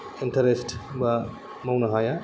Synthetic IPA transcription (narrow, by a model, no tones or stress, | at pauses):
intʰɐɾesʈba | mɐwnɐɦaja